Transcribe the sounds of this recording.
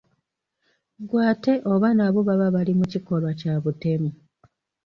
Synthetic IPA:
ɡwaːte̞ʔo̞βanaβo̞βaβaβalimuciko̞lwacaβute̞mu

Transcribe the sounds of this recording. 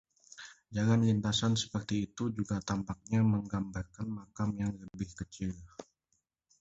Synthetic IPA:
d͡ʒaŋanlint̪asansə̥pərt̪iːt̪ud͡ʒuɡat̪ampak̚ɲaməŋɡambarkanmakamjaŋləbɪhkət͡ʃil

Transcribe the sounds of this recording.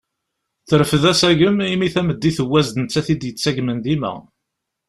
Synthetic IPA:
θəɾfəðæsæʝəmimiθæməd̪ːiθəwːæzd̪ənt͡sːæθid̪jət͡sːæʝmənðimæ̰

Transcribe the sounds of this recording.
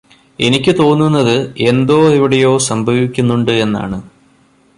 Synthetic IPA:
e̞nikʲːɨt̪o̞ːnːunːɐðɨe̞nd̪o̞ːiʋiɽejo̞ːsɐmbʱɐʋikʲːunːuɳɖɨe̞nːa̰ːɳɨ

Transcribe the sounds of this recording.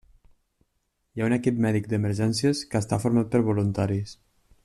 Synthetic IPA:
jaunəkip̚mɛðik̚d̪əməɾʒɛnsiəskəːst̪afuɾmat̪̚pəɾβulunt̪aɾis

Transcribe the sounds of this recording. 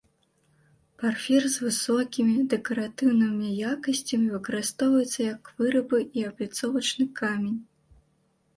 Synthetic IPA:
parfʲɛrzvɨsɔkʲimʲid̪ɛkɐɾat̪ɨwnɨmnʲɛjakɐsʲt͡sʲɐmʲivɨkɐɾɨst̪ɔwvɐjɛt̪sːɐjɐkv̥ɨɾɐbɨʔiɐblʲit̪sɔvɐt͡ʂnɨkamʲenʲ

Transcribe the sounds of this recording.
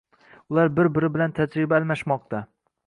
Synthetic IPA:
ʊlaɾbɪɾbɪɾɪbɪlant̪ʰad͡ʒɾɪbalˠmaʃmɒq̚t̪ʰa

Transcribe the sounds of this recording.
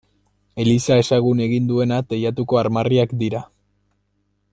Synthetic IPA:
e̞lisae̞saɣune̞ɣind̪ue̞nat̪ejat̪uko̞aɾmariakd̪iɾa

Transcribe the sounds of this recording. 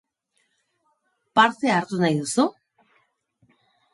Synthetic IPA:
paɾt̪eaːɾt̪unajðusu

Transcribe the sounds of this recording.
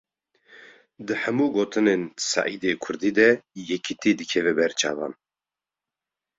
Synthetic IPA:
d̪ɨħɛmuːɡoːt̪ʰɨneːnsɑ̰ːʔiːd̪eːkʰʊɾd̪iːd̪ɛjɛkʰɨt̪iːd̪ɨkʰɛvɛbɛɾt͡ʃʰɑ̰ːvɑ̰ːn

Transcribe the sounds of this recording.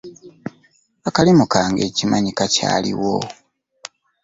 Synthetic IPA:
akalimukaːŋɡe̞cimaɲikaca̰ːlḭwo

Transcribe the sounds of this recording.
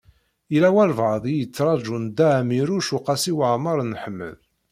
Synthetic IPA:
ilæwælvʕəðˤijət͡sːɾˤɑd͡ʒund̪æʕmiɾuʃuqɑsiwəʕmɑɾˤnːħəmːə̰l

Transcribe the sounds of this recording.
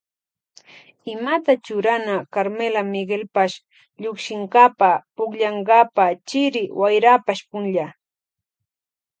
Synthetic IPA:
ɪmat̪at͡ʃʊɾanakaɾmelamɪɡelpaʃ | ʎʊkʃɪŋɢapapʊkʎɑɴɢapat͡ʃɪɾɪwajɾapaʃpʊnʎa

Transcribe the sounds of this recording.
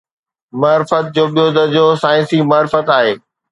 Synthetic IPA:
maːɾɪfət̪̚d͡ʑoːɓijoːd̪əd͡ʑoːsaːɪ̃nsimaːɾɪfət̪aːɦeː

